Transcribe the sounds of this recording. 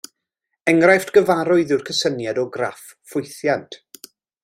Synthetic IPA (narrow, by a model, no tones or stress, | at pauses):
ɛŋrajftɡ̥əvaɾʊɨðɪwrkʰəsənjadɔɡra̰fːʊjθjantʰ